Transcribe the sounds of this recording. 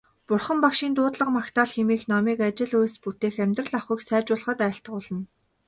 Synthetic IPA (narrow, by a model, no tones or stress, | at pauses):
pʊrχə̆mpakʃiːnt̪ʊːt̪ɮə̆qmakt̪aːɮxemiːxnɔmiːkat͡ɕɪ̆ɮujsput̪eːxæmʲt̪rə̆ɮaχwiːksæːt͡ɕʊːɮə̆χə̆t̪æːɬt̪ə̆χʊɮə̆n